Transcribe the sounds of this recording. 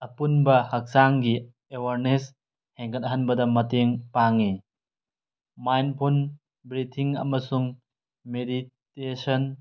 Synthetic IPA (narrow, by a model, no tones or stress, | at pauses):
ɐpunbɐhɐk̚saŋɡi | ewaɾnes | heŋkɐt̚ɐɦɐnbɐdɐmɐteŋpaŋi | majnpʰon | bɾitʰiŋɐ̰mɐsuŋ | meditesɐn